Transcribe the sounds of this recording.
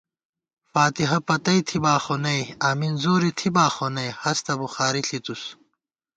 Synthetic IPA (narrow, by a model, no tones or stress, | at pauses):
faːt̪iɦɐpɐt̪ɐjt̪ʰibaːxonɐjaːminzoːɾit̪ʰibaːxonɐjhɐst̪ɐbuxaːɾiɬʰit̪us